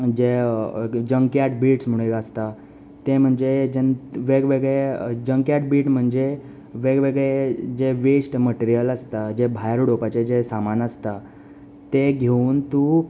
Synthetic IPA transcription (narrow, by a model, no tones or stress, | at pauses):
d͡ʑe | d͡ʑəŋkjaʈbiːʈsm̤uɽ̃ekəst̪a | t̪em̤əɳd͡zed͡ʑenʋeɡʋeɡɭed͡ʑəŋkjaʈ̚biːʈm̤əɳd͡ze | ʋeɡʋeɡed͡ʑeʋesʈməʈiɾijələst̪ad͡ʑebʱajɾuɽopat͡ɕed͡ʑesamanəst̪a | t̪eɡʱeuːnt̪u